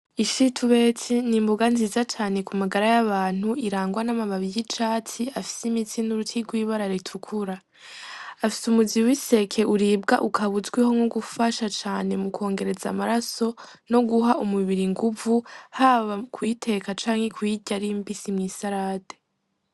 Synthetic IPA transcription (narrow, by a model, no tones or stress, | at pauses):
iʃitʰuβe̞t͡sinimbuɡanziːzat͡ʃaːne̞kumaɡaɾajaβaːn̥huiɾaːŋɡwanamaβaβijit͡ʃaːtiafi̥simitinuɾutʰiɾɡwiːβaɾaɾitʰukʰuɾa | afisumuziwise̞kʰe̞ʔuɾiːb̚ɡa̰ʔukʰaβuzɡwiho̞ŋoɡufaʃat͡ʃaːne̞mukʰo̞ːŋɡe̞ɾe̞za̰maɾaso̞ | no̞ɡuɦaumuβiɾiŋɡuvuhaːβakwiːtʰe̞ːkat͡ʃaːŋhe̞kwiɟaɾimbisimŋiːsaɾaːte